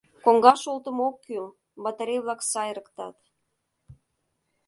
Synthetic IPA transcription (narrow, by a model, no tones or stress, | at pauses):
koŋɡɑʃolt̪əmokːyl | bɑt̪əɾʲejβlɑksɑjɾəkt̪ɑt̪